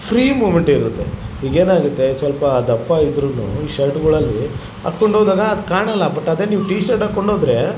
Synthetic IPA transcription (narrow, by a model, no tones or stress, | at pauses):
pʰɾiːmuːʋmeɳʈiɾut̪ːḛiːɡe̞ːnaːɡut̪ːe̞sʋɐlpɐːd̪ɐpːɐid̪ɾunːṵiːʃɐɾʈɡuɭɐlːi | a̰ːkoɳɖoːd̪aːɡɐːd̪kaːɳɐlːɐbɐʈːɐd̪e̞ːniːʋʈiːʃɐɾʈaːkːoɳɖoːd̪ɾe̞